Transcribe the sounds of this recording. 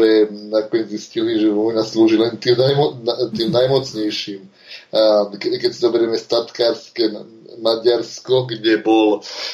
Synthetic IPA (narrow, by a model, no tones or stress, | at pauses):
ɛnakɔɲɛzisciliʒɛʋɔjnasluːʒilɛnt̪iːmnajmɔnat̪iːmnajmɔt͡sɲɛjʃiːm | kɛkɛcsizɔbɛɾɛmɛst̪at̪kaːɾskɛ | maɟaɾskɔɡɟɛbɔl